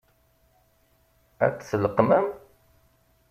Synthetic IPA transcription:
æ̰kːθələqmæm

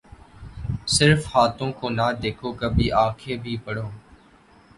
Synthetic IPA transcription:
sɪɾfhaːt̪õːkoːnaːd̪eːkʰoːkəbʱiːʔaːkʰeːbʱiːpəɽoː

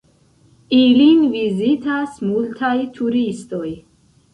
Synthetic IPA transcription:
ilinvizit̪ʰasmult̪ʰajt̪ʰuɾist̪oj

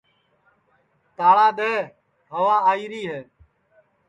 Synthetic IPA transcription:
t̪aːɭaːɗ̪ɛː | ɦəʋaːaːiːɾiːɦɛː

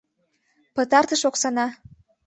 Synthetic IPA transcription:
pət̪ɑrt̪əʃoksɑnɑ

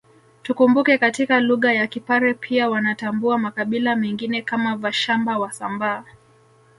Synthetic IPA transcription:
tukumbukɛkatikaluɣajakipaɾɛpʰiawanatambuamakaɓilamɛŋɡinɛkamavaʃambawasambaː

